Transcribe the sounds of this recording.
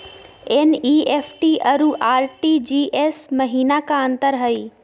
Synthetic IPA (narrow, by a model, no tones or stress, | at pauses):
eniepʰʈiʔɐɾuʔaːɾʈid͡ʒiːʔesməɦiːnakaənt̪əɾɦəi